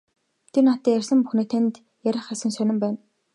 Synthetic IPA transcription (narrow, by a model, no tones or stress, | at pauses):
t̪ʰernat̪ːiːjærʲsə̆mpuxniːt̪ʰent̪ | jæɾʲɪ̆χæsə̆nsœnʲɪ̆mpæːn